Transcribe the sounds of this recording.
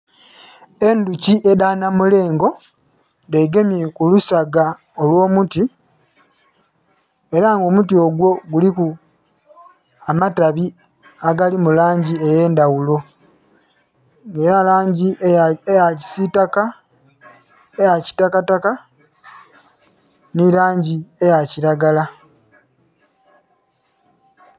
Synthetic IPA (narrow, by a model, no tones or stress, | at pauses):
e̞nduciʔe̞daːnamule̞ːŋɡo̞ | ndeɡe̞mje̞kulusaɡa | olwo̞ːmuti | e̞ɾaŋɡo̞mutioɡwo̞ɡuliku | amataβi | aɡalimulaːɲɟie̞je̞ːndawulo̞ | ŋɡeɾalaːɲɟiejaci̥sitaka | ejaci̥takataka | niɾaːɲɟie̞jaciɾaɡala